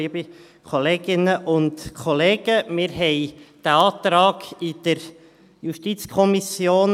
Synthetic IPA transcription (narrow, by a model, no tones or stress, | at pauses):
iəbi | kʰoleːɡɪnəʔʊntkʰɔleːɡ̥əmɪːɾɦɛɪd̥æɑːt̪ɾɑːɡ̥ɪd̪̥əɾ | juʃtit͡skʰɔmisjoːn